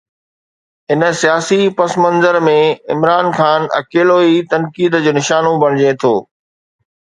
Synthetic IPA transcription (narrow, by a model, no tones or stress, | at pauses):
ɦɪnəsijaːsipɐsmɐ̃nzəɾmẽɪmɾaːnxaːnɐ̰keːloːit̪ɐnkiːd̪d͡ʑoːnɪʃaːnõbɐɽ̃ɪd͡ʑet̪ʰoː